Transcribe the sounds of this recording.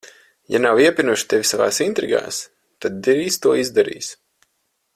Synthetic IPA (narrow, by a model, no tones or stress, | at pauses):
ja̰nawiɛpʲinuʃi̥t̪evʲisava̰ːsint̪ɾiɡa̰ːs | t̪ad̪ːiɾiːst̪uɔizd̪aɾḭːs